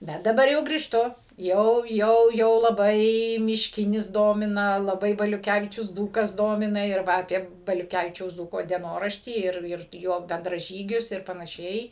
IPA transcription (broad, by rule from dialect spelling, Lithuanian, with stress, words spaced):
ˈbʲɛt dɐˈbɐr jɛʊ ɡrʲiːʃˈtʊ ˈjɛʊ ˈjɛʊ jɛʊ lˠɐˈbɐɪ mʲɪʃʲˈkʲɪnʲɪs ˈdoːmʲɪnɐ lˠɐˈbɐɪ bɐlʲʊˈkʲæʋʲɪt͡ʃʲʊs ˈd͡zuːkɐs ˈdoːmʲɪnɐ ɪr ˈʋɐ ɐˈpʲiɛ bɐlʲʊˈkʲæʋʲɪt͡ʃʲɛʊs ˈd͡zuːkoː dʲiɛˈnoːrɐʃʲtʲiː ˈɪr ˈɪr ˈjoː bʲɛndrɐˈʒʲiːɡʲʊs ɪr pɐnɐˈʃʲɛɪ